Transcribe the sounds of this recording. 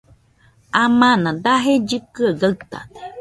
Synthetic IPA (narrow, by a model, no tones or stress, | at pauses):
amãnãd̪aɦed͡ʒɨkɨaɡat̪a̰̥